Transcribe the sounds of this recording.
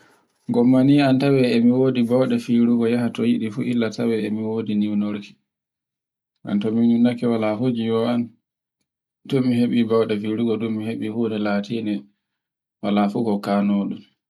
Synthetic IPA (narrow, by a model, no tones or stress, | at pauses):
ɡɔmːaniːantawɛɛmiwoːdibawɗɛfiɾuɡɔjaɦatɔjiɗifṵʔilːatawɛɛmiwoːdiniwnoɾki̥ | ʔa̰ntɔmiɲunːakɛwalahod͡ʒijɔan | tɔmiɦeɓibawɗɛfiɾuɡɔdumiɦeɓihunɛlaːtʰinɛ | walafuɡɔkaːnoːɗum